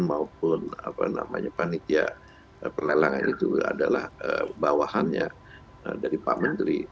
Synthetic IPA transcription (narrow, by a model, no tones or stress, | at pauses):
nmaup̚ʊnapana̰maɲapanit̪ia | əpərlalaŋa̰nit̪uadalahəbawahanɲa | ədaɾipamənt̪ɾi